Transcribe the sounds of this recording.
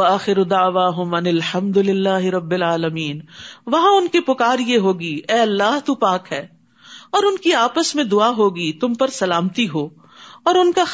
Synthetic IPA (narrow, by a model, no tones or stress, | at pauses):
ɐaːxɪɾʊd̪aːʋaːɦʊmɐnɪlħɐmd̪ʊlɪlːaːɦɪɾɐbːɪlaːləmiːnʋɐɦãʊnkipʊkaːɾjeɦoːɡiɛːɐlːaːɦt̪uːpaːkɦɛː | ɔːɾʊnkiaːpəsmẽd̪ʊaɦoːɡit̪ʊmpɐɾsɐlaːmt̪iɦoː | ɔːɾʊnka